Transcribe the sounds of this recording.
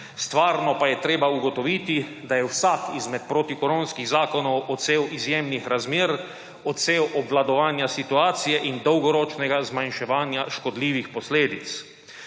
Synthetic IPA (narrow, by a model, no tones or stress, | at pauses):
st̪ʋaːɾnɔpajɛt̪ɾeːbauɡɔt̪ɔʋiːt̪i | d̪ajɛwsaːkizmɛt̪̚pɾot̪ikɔɾõːnskiɣzaːkɔnɔwʔɔt̪seːwizjeːmnixɾazmeːɾ | ɔt̪seːwʔɔbʋlad̪ɔʋaːnjasit̪uaːt̪sijɛʔind̪ɔwɡɔɾɔːt͡ʃnɛɡazmanʃɛʋaːnjaʃkɔd̪liːʋixpɔsleːd̪it̪s